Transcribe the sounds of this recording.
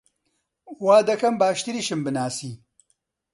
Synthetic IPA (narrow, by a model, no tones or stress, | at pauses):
waːd̪ɐkɐmbaːʃt̪ɨɾiːʃɨmbɨnaːsiː